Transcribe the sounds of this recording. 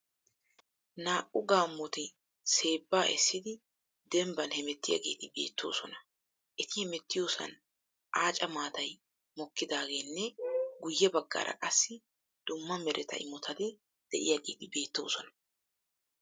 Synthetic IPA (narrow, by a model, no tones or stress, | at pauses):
naːʔʊɡaːmːɔt̪ɪ | se̞ːbːaːʔɛsːɪd̪ɪ | d̪ɛmbɐnhɛmɛt̪ːɪja̰ɡe̞̰ːt̪ɪbe̞̰ːt̪ʰːo̞̰ːsɔnɐ | ʔɛt̪ɪhɛmɛt̪ːɪjoːsɐ̰n | ʔaːt͡ʃʼɐmaːt̪ɐj | mɔkːɪd̪aːɡe̞ːnːɛɡʊjːɛbɐɡːa̰ːɾʔɐ̰ʔʼɐsːɪ | d̪̥ʊmːɐmɛɾʔɛt̪ɐ̰ʔɪmɔt̪ʰɐd̪ɪ | d̪̥ɛʔɪ̰jaːɡḛːt̪ɪbe̞ːt̪ːo̞̰ːsɔnɐ̥